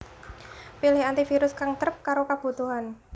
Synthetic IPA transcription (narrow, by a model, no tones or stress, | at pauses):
pilɪhant̪ifiɾʊskaŋt̪ɾəp̚kaɾokab̥ṳt̪uɦan